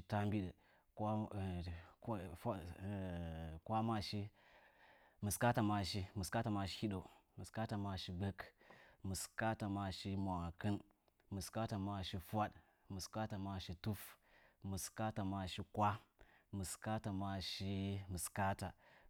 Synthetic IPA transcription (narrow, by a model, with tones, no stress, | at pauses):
i˦ta˦mbi˦ɗə˨ | ka˦˨ | kʷa˦ma˦ʃi˦ | mɨ˨ska˦ta˨ma˨ʃi˦mɨ˨ska˦ta˨ma˨ʃi̥˦hi˦ɗo˨mɨ˨ska˦ta˨ma˨ʃi˦ɡ͡bə˦kmɨ˨ska˦ta˨ma˨ʃi˦ma˨kɨ˦n | mɨ˨ska˦ta˨ma˨ʃi˦fa˦ɗ | mɨ˨ska˦ta˨ma˨ʃi˦tu˦fmɨ˨ska˦ta˨ma˨ʃi˦kʷa˦mɨ˨ska˦ta˨ma˨ʃi˦mɨ˨ska˦ta˨